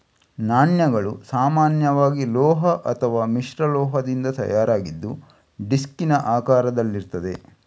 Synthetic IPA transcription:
naːɳjɐɡɐɭusaːmaːnjɐʋaːɡilɔːɦɐʔɐt̪ʰɐʋaːmiʃɾɐlɔːɦɐd̪ind̪ɐt̪ɐ̰jaːɾaːɡid̪ːu | ɖiskinɐʔaːkaːɾɐd̪ɐlːiɾt̪ɐd̪e̞̰

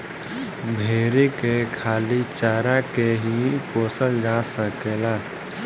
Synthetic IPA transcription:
bʱeːɾikekʰaːlit͡ʃaːɾãkeɦipoːsəld͡ʒasəkelaː

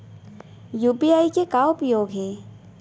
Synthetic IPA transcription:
juːpiaːikekaːwopɾəjoːɡɦɛː

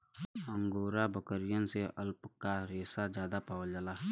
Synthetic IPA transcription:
ə̃ŋɡoːɾabəkəɾɪjənseəlpkaɾeːsad͡ʒjaːd̪apaːʋəld͡ʒaːlaːɦ

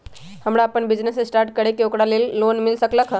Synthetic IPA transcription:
həmɾaəpənbid͡ʒnesesʈaɾʈ̚kəɾekeokɾalelːonmilsəkləkʰ

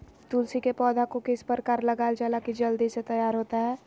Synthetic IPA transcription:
t̪uːlsikepɔːd̪akokɪspəɾkaːɾləɡaːɪld͡ʒɛːlakid͡ʒəld̪iset̪ɐjaːɾɦoːt̪aɦɛː

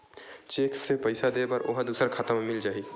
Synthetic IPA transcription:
t͡ʃeːksepəɪsad̪eːbəɾʔoɦd̪uːsəɾkʰat̪əmmɪld͡ʒaːi

